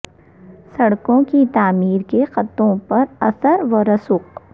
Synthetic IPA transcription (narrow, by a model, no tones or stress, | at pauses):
sɐɽkõkit̪aːmiːɾkexɐt̪õpɐɾɐsəɾʋɐɾɐsʊq̚